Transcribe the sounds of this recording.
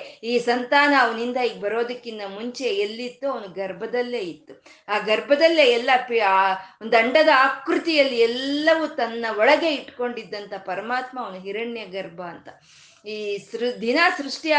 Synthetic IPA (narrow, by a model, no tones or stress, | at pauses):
iːsɐnt̪aːnɐːʋɐnind̪ɐiːɡebɐɾo̞ːd̪ɐkːind̪ɐmuɲt͡ʃe̞elːit̪ːuɐʋɐnuɡɐɾbʱɐd̪ɐlːeːit̪ːu | aːɡɐɾbʱɐd̪ɐlːeɛlːɐpond̪uɐɳɖɐd̪ɐaːkɾut̪ijɐlːiɛlːɐʋut̪ɐnːɐɔɭɐɡe̞iʈːko̞ɳɖid̪ːɐnt̪ʰɐpɐɾɐmaːt̪mɐːʋɐnuɦiɾɐɳjɐɡɐɾbʱɐːnt̪ɐ | iːsɾd̪ʱinaːsɾuʂʈia